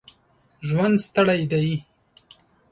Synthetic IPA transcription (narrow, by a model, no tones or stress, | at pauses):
ʒwand̪st̪aɽajd̪aji